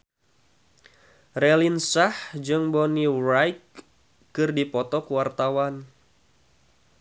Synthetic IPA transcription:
relinsahd͡ʒɨŋbonirajkː | ɨrdipɔt̪ɔkuwart̪awan

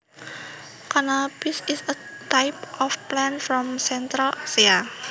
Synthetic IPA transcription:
kanab̥isisət̪ajpʔɔfplɛnfɾɔmsɛnt̪ɾalasia

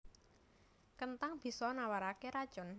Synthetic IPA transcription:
kənt̪aŋb̥i̤sɔnawaɾakeɾad̥ʒ̥ɔ̤n

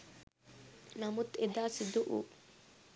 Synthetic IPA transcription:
nɐmut̪ed̪aːsid̪uʔṵ

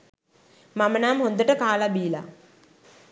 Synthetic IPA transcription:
mamənaːmɦond̪əʈəkaːlabiːla

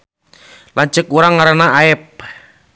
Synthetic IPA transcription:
laɲt͡ʃəkuɾaŋːaɾanaaɛp̚

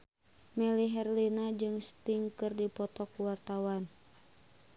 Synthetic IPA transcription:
mɛliɦɛrlinad͡ʒɨŋst̪iŋkɨrdipɔt̪ɔkuwart̪awan

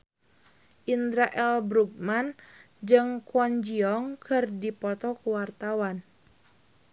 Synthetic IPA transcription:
ʔind̪ɾaʔɛlbɾuɡ̚man | d͡ʒɨŋkwɔnd͡ʒiɔŋkʰɨrdipɔt̪ɔkuwart̪awan

